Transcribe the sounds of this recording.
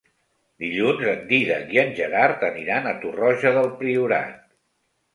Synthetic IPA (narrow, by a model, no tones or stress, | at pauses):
d̪iʎunzənd̪iðə̰iənʲʒəɾaɾt̪əniɾanət̪urɔʒəðəlˠpɾiuɾa̰t̪̚